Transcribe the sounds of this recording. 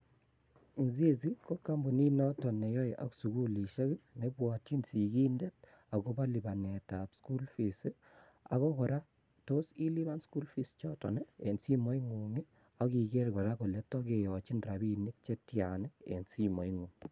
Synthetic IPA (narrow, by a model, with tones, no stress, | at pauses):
m̩˨ze˦si˦ko˦kːa˦mbu˨ni˦nɔ˦tɔ˨ne˨jɔ˦jʔɔ̰˦ksu˨ɡu˦li˨ʃe˦ki˦ne˦bwɔ˨t͡ʃi˦nsi˨ki˦ndɛ˦t̚ | a˨ko˦ba˦li˨ba˨ne˨tapsku˦lfi˨si˦ | a̰˨ɣɔ˦kɔ˨ɾa˦ | to˦si˦li˦βa˦nsku˦lfi˦st͡ʃɔ˦tɔ̰˨nɛ˦e˨nsi˦mo˦i˦ŋu˨ŋe˦ | a˦ki˨ke˦ɾkɔ˨ɾa˦kɔ˨le˦tɔ˦ke˨jɔ˨t͡ʃi˦nra˨bi˦ni˦k̚t͡ʃe˦tjanɛ˦ḛ˨nsi˦mɔ˨iŋu˨ŋ